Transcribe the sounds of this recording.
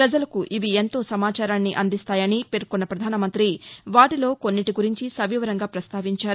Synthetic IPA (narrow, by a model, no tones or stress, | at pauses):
pɾɐd͡ʒɐlɐkuʔiʋient̪o̞ːsɐmaːt͡ʃaːɾaːnːiʔɐnd̪ist̪aːjɐnipe̞ɾkunːɐpɾɐd̪ʱaːnɐmɐnt̪ɾiʋaːʈilo̞ːko̞nːiʈiɡuɾiɲt͡ʃisɐʋiːʋɐɾɐŋɡaːpɾɐst̪aːʋiɲt͡ʃaːɾu